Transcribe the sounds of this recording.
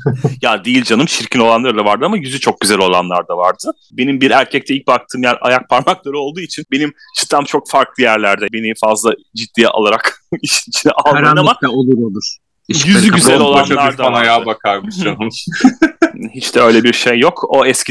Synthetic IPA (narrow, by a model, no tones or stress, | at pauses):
jad̪ijilʲd͡ʒanɯmʃʰiɾcʰino̞lˠanˠaɾɯd̪avaɾd̪ɯamajyzyt͡ʃʰo̞k̚ɟyzælʲo̞lˠa̰nlˠaɾd̪avaɾd̪ɯ | be̞nimbiɾæɾcʰɛc̚t̪ɛilʲc̚bak̚t̪ʰɯːmjæɾa̰jak̚pʰaɾmaklˠaɾɯo̞lˠd̪uːit͡ʃʰinbe̞nim | t͡ʃʰɯ̥t̪ʰːamt͡ʃʰo̞k̚faɾklˠɯjæɾlʲæɾd̪ɛbe̞nifazlˠa | d͡ʒid̪ːija̰lˠaɾakiʃinit͡ʃʰinalˠnanamaolˠuɾolˠuɾ̥ | jyzyɟyzɛlʲo̞lˠanˠaɾd̪aanajaːbakʰaɾmɯa | hit͡ʃt̪ɛø̞jlʲɛbiɾʃejːo̞ko̞ɛscʲi